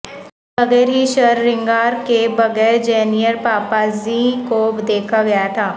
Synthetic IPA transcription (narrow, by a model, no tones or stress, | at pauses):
bɐɣɛːɾɦiʃɐɾːɪ̃ŋɡaːɾkebɐɣɛːɾd͡ʒɛːnijəɾpaːpaːzikoːbd̪eːkʰaɡɐjat̪ʰaː